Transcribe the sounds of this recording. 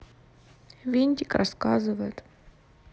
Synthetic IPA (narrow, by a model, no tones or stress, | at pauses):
vʲenʲt̪ʲɪkrʔɐskazɨvəjɪt̪